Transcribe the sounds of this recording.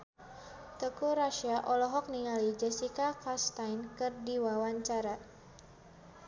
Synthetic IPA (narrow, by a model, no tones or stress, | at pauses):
t̪əkuɾaʃiaʔɔlɔɦɔk̚niŋalid͡ʒɛsikakast̪ajnkɨrdiwawaɲt͡ʃaɾa